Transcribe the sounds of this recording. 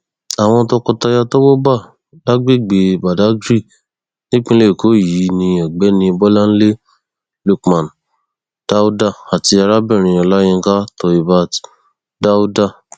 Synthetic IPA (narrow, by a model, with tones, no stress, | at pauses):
a˨w̃ɔ̃˧tɔ˧kɔ˧ta˧ja˧to˦wo˦ba˦˨ | da˦ɡ͡be˦˨ɡ͡be˨ba˨da˨˦ɡɾi˦˨ | nĩ˦k͡pĩ˦le˦˨ko˨˦˨ji˨˦nĩ˧ɔ˨ɡ͡bɛ˨˦nĩ˧bɔ˦la˦n̩˦le˦ | lu˧kmã˨n | d̥a˦u˦da˦˨a˨ti˧a˧ɾa˦bɛ˦˨ɾ̃ĩ˨˧ɔ˧˨la˦j̃ĩ˧˦ɡa˦tɔ˧i˨ba˧t | da˦u˦da˦˨